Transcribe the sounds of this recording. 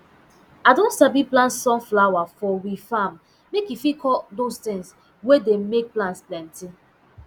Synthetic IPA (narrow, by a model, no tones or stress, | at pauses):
adõnsabiplãntsɔ̃nflawafɔwifam | mekifikʰɔdostɪ̃ŋs | wedemek̚plãntsplɛ̃nti